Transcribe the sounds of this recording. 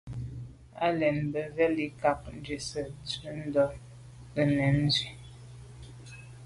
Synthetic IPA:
a̰˦lɛ˨nbə˨ɣɛ˦li˨ka˨k̚n̩˦d͡ʒe˨sə˨t͡sə˦n̩˦dɔ˦ | ə˨nɛ˨˦n̩˦zwi˨

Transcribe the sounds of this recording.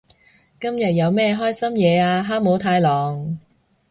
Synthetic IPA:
kɐ˥mjɐ˨t̚jɐ˨˧wmɛː˥ɦɔː˥jsɐ˥mjɛː˨˧aː˧ɦaː˥mo˨˥wt̪ʰaː˨˧jlɔː˨ŋ

